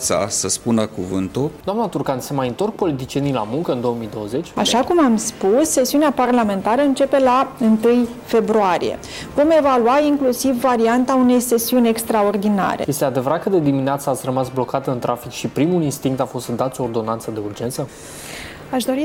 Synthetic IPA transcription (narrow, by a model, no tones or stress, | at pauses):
sa̰səspunakuvɨnt̪ud̪oamnat̪urkansemajɨnt̪o̞rk̚po̞lit̪̬it͡ʃie̞nijla̰muŋkəɨnd̪ooəmijd̪o̞wəze̞t͡ʃʲa̰ʃakumamspusːe̞siuneaparlame̞nt̪aɾəɨnt͡ʃe̞pe̞laɨnt̪ɨj | fe̞bɾuaɾḭjḛ | vo̞me̞valuaiŋklusivːaɾiant̪aune̞jse̞siunʲe̞kst̪ɾao̞rd̪ina̰ɾe̞̰je̞st̪ead̪e̞vəɾat̪̚kəd̪e̞d̪imineat̪səat̪sʲrəmasblo̞kat̪əɨnt̪ɾʔafikʃipɾimulinst̪iŋk̚t̪afo̞st̪d̪at̪soːrd̪o̞nansəd̪e̞urd͡ʒe̞nt̪sə | aʃd̪o̞ɾi